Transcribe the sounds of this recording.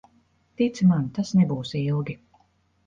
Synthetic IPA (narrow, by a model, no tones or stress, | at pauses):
t̪it̪sɨmant̪asnɛbuːsilˠɡʲi